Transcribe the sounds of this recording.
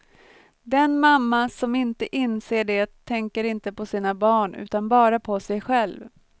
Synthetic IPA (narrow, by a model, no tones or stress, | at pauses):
d̪ɛnmamːasɔmɪnt̪əʔɪnseːɖeːt̪ʰːɛŋkəɾɪnt̪əpɔsiːnabɑːɳʉ̟̰ːt̪anbɑːɾapʰɔsɛjɧɛlv